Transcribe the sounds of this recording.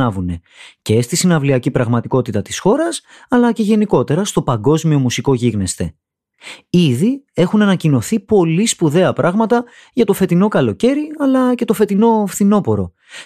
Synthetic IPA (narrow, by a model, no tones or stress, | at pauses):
ɐvune̞ | ce̞st̪isinɐvliɐcipɾɐɣmɐt̪iko̞t̪it̪ɐt̪i̥sxo̞ɾɐs | ɐlɐce̞ʝe̞niko̞t̪e̞ɾɐst̪o̞pɐŋɡo̞zmio̞musiko̞ʝiɣne̞st̪e̞ | iðie̞xunɐnɐcino̞θipo̞lispuðe̞ɐpɾʔɐɣmɐt̪ɐ | ʝɐt̪o̞fe̞t̪ino̞kɐlo̞ce̞ɾiɐlɐce̞t̪o̞fe̞t̪ino̞fθino̞po̞ɾo̞